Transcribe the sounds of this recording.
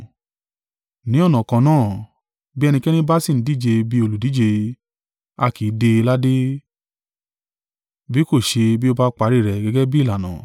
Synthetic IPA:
nĩ˨˦ɔ˦˨nã˨kã˨˧˦nãː˦˨ | bi˦ɛ˦˧nĩ˧kɛ˦nĩ˦ba˦si˦˨n̩˨˦di˦˨d͡ʒe˧bi˦o˧lu˨di˨˦d͡ʒe˧ | a˧ki˨˦de˧la˦de˦ | bi˦ko˦˨ʃe˧bi˦o˦˧ba˦k͡pa˨˧˦ɾi˦˨ɾɛ˨ɡɛ˨˧ɡɛ˦bi˦˨la˨nã̰˨

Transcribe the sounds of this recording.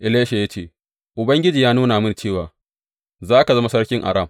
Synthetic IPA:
ʔɪ˨leː˦ʃe˨ja˦t͡ʃeː˦ | ʔʊ˨bɐ˦ŋɡʲɪ˦d͡ʒiː˨jaː˦nuː˦naː˨mɪ˦nt͡ʃeː˦˨waː˨ | zaː˦ka˨zɐ˦ma˦sɐ˦rkʲɪ˦ŋʔa̰˨ɾa˦˨m

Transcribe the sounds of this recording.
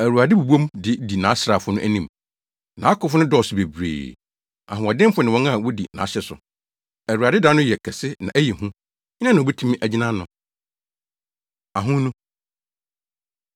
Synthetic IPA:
æ˨ɾu˨a˨dɪ˦bu˨bu˦õ˦mdɪ˨di˨nã˨˦sɾa˨fʊ˦nʊ̃˦ʔæ˦nĩ˦m | nã̰˨˦kʰʊ˨˦fʊ˦nʊ̃˦dɔː˦˨sʊ˨be˨bɾḛː˨ | a̰˨ɦʊ̃˨ɔ˨dɪ̃˦m˦fʊ˦nɪ̃˨wɔ̃˦ŋa˦˨wɔ˦dḭ˨nã̰ː˨˦ɕɛ˨sʊ̰˨ | æ˨ɾu˨a˨dɪ˦dã˦nʊ̃˦jɛ˨kʰɛ˨sɪ˦nã̰˨ʔæ˦jɛ˨ɦũ˦ | ɲɪ˦n˦ã˦nã˨bɛ˦tʰũ˦mĩ˦ʔæ˨d͡ʑi˦nã˦nʊ̃˨ | a˨ɦʊ̃˦nũ˦

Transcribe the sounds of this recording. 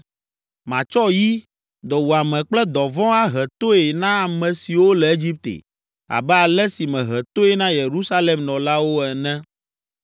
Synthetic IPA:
mã˨t͡ʃɔ˦ji˦ | d̪ɔ˨wu˨a˨mɛ̃˨k͡plɛ˦d̪ɔ˨vɔ̃˦a˦ɦɛ˨t̪o˦e˨nã˦a˨mɛ̃˨si˨wo˦lɛ˨e˦d͡ʑi˦p̚t̪ḛ˨ | a̰˨bɛ˦a˨lɛ˦si˨mɛ̃˨ɦɛ˨t̪o˦e˦nã˦je˨ɾu˦sa˦lɛ˨mnɔ̃˨la˦wo˦ɛ˨nɛ̃˦

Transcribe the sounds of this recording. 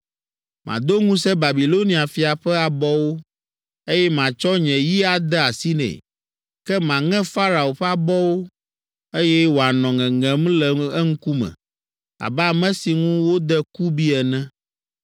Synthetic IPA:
mã̰˨d̪o˦ŋũ˦sɛ˦ba˨bi˨lo˦nĩ˨a˨fi˨a˨ɸɛ˦a˨bɔ˦wo˦ | e˦jɛ˦mã˨t͡ʃɔ˦ɲɛ̃˨ji˦a˨d̪ɛ˦a˨si˦nɛ̰̃˨ | kɛ˦mã˨ŋɛ̃˦fa˦ɾa˨o˨ɸɛ˦a˨bɔ˦wo˦ | e˦jɛ˦wo˨a˨nɔ̃˨ŋɛ̃˨ŋɛ̃˨m̃˦lɛ˨ɛ˦ŋ̩˦ku˦mɛ̰̃˨ | a̰˨bɛ˦˨mɛ̃˦si˨ŋũ˦wo˦d̪ɛ˦ku˦bi˦ɛ˨nɛ̃˦

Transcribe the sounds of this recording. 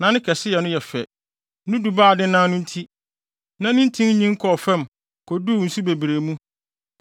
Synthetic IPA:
nã˨˦nɪ̃˦kʰɛ˨sɪ˦jɛ˨nʊ̃˦jɛ˨fɛ̰˨ | nʊ̃˦du˨baː˦˨dɪ˦nãː˦nʊ̃˦n̩˦tʰi˦ | nã˦nɪ̃˦n̩˦tʰĩ˦ŋ˦ɲĩ˦ŋ̩˦kʰɔ˨fɛ̃˦m | kʰɔ˨du˦˨n̩˨su˦be˨bɾe˨mũ˦

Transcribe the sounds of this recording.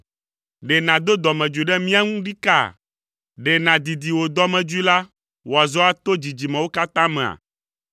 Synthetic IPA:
ɖɛ˨nã˨d̪o˦d̪ɔ˨mɛ̃˨d͡ʒu˨i˨ɖɛ˦mĩ˦a˦ŋũ˦ɖi˦ka̰˦˨ | ɖɛ˨nã˨d̪i˨d̪i˨wo˨d̪ɔ˦mɛ̃˨d͡ʒu˦i˦la˦ | wo˨a˨zɔ˦a˨t̪o˦d͡ʑi˨d͡ʑi˨mɛ̃˨wo˦ka˦t̪ã˦mɛ̃˨a̰˨

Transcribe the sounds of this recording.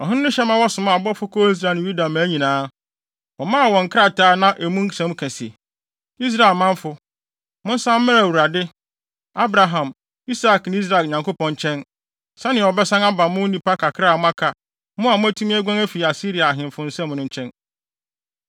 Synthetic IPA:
ɔ˨ɦɪ̃˦ʊ̃˦nʊ̃˦ɕɛ˦mã˦wɔ˦sʊ̃˨mã˨bɔ˦fʊ˦kʰo˦i˦s̬ɾa˨ñ˨ju˦da˨mã˨˦ɲĩ˨nãː˦ | ɔ˨mãː˦a˨wɔ̃˨ŋ̩˨kʰɾa˦˨tʰaː˦nã˦ʔæ˨mũ˦sɛ̃˨˦m˦kʰɛ̃˨si˨e˨ | i˦s̬ɾa˨lmã˦ɱ˦fʊ˦ | mʊ̃˦n˦sã˦m̩˦mɪ̃˦ɾwu˨ɾa˨dɪ˦ | a˦bɾa˨ɦã˨m | i˦sa˨knɪ̃˦i˦s̬ɾa˨ɲã˨ŋko˦pɔ̃˨ɲ˦t͡ɕʰɛ̃˦n | sã˦nɪ̃˨ɔ˨bɛ˦sã˦ŋa˦ba˨mʊ̃˦n̩˦nĩ˦pa˦kʰa˨kʰɾa˦˨mʊ̃˦a˦kʰa˨ | mʊ̃˦a˨mʊ̃˦æ˦tʰũ˦mĩ˦æ˦ɡʷã˦ŋæ˦fi˨a˨si˦ɾi˨a˨ɦɪ̃˨m˨fʊ̃˨n̩˦sɛ˦mʊ̃˨˦nʊ̃˦ɲ̩˦t͡ɕʰɛ̃˦n

